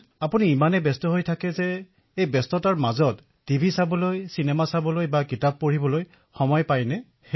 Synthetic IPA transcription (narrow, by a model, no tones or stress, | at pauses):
apuniːmanɛbɛstɔɦojtʰakɛzɛ | ejbɛstɔtaɹmazɔtː | ibʱisabɔlojsinɛmasabɔlojbakitab̚pːoɹibɔloj | xɔmɔjpajnɛ